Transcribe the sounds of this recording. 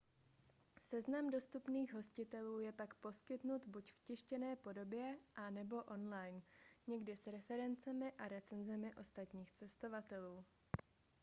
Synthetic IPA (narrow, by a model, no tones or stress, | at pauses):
sɛznamdo̞st̪upniːɣɦo̞scɪt̪ɛluːjɛpakpo̞skɪt̪nut̪bucfcɪʃcɛnɛːpo̞do̞bjɛʔanɛbo̞ʔo̞nlajnɲɛɡdɪsɾɛfɛɾɛnt͡sɛmɪʔaɾɛt͡sɛnzɛmɪʔo̞st̪at̪ɲiːxt͡sɛst̪o̞vat̪ɛluː